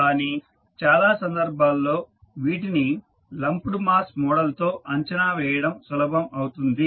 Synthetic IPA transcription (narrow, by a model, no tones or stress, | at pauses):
kaːniː | t͡ʃaːlaːsɐnd̪ɐɾbʱaːlːo̞ː | ʋiːʈini | lɐmpuɽumaːsmɔːɽɐlt̪o̞ːʔɐɲt͡ʃɐnaːʋɛːjɐɽɐmsulɐbʱɐmɐwt̪und̪i